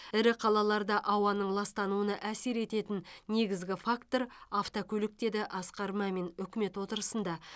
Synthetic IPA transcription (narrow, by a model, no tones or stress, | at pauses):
ɪɾɪqʰɑlˠɑlˠɑɾd̪ɑʔɑwɑnəɴlˠɑst̪ɑnuənɑʔæse̞ɾe̞t̪e̞t̪ɪnne̞ɡʲɪzɡʲɪfakt̪o̞ɾaft̪okʲʰɵlɪk̚t̪e̞d̪ɪʔɑsqɑɾmɑme̞nʏkʲɪme̞t̪wo̞t̪əɾəsənd̪ɑ